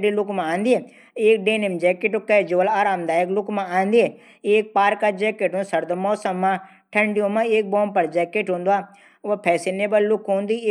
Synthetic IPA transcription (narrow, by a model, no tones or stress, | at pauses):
ɖilʊkmãaːnd̪ie | eːk̚ɖeːnimd͡ʒɛːkeʈokɛd͡ʒoʋəlaːɾaːmd̪aːeklʊkmããːnd̪ie | eːk̚paːɾkad͡ʒɛːkeʈũsɐɾd̪əmɔːsɐmːãː | ʈʰɐɳɖijõmãːeːk̚boːmpɐɾd͡ʒɛːkeʈɦũːnd̪uaː | ʋpʰɛːsɪneːbəlːʊkɦũːnd̪iː